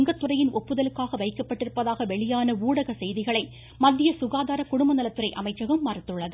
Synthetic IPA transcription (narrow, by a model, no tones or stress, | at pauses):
ŋɡɐt̪ːɯrɐjɪnʔɔpːɯðɐlɯkːaːɣɐʋɐɪkːɐpːɐʈːɪɾɯpːɐðaːɣɐʋɛɭɪjaːnɐuːɽɐɣɐsɛjðɪɣɐɭɐɪ | mɐðːɪjɐsʊɣaːðaːɾɐkʊɽʊmbɐnɐlɐt̪ːɯrɐɪʔɐmɐɪt͡ʃːɐɣɐmːaɾɪt̪ːɯɭːɐðɯ